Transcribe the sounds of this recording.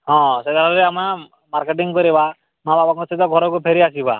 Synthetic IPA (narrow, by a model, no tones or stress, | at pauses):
ɦɔ̃sed̪ʱaɾɔɾeama | maɾkeʈiŋkɔɾiba | mãbabakɔsit̪ɔɡʱɔɾɔkupʰeɾiakiba̰